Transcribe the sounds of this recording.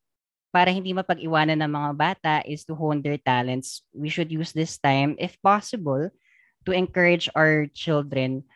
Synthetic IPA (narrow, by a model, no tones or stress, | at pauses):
paːɾɐhɪnd̪iːmɐpɐɡʔɪwaːnɐnːɐŋmɐŋabaːt̪ɐʔɪst̪uɦownd̪ɛɹt̪alɛnt̪swiʃʊd̪juːsd̪ɪst̪ãjmʔɪfpasɪbɔl | t̪uʔɛŋkɐɹɪd͡ʒawɛɹt͡ʃɪld̪ɾɛ̃n